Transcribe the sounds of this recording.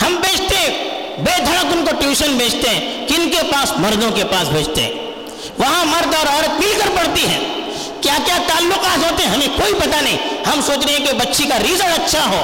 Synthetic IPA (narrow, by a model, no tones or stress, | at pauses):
hɐmbeːt͡ʃʰt̪eɦɛ̃ | beːd̪ʱɐɽ̃əkʊnkoʈjuːʃənbʱeːt͡ʃʰt̪eɦɛ̃kɪɪnkepaːsmɐɾd̪õkepaːsbʱeːd͡ʒt̪ḛɦɛ̰̃ː | ʋɐɦãmɐɾd̪ɔːɾɔːɾət̪̚mɪlkəɾpɐɽt̪iɦɛ̰̃ː | kjakjat̪aːlːʊqaːt̪ɦoːt̪eɦɛ̃ɦɐmẽkoːipɐt̪anɐɦĩhɐmsoːt͡ʃɾɐɦɛ̃kbɐtːʃʰekaɾiːzəɾɐtːʃʰaɦoː